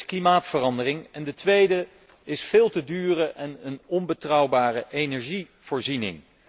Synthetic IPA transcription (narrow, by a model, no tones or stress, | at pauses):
klimaːtfərɑndərɪŋɛndətʋejdə | ɪsfɪːlˠtədyːrəʔɛnənɔnbətrʌwbaːrəʔejnɛɹʒi | v̥ʊːɹzinɪ̰ŋ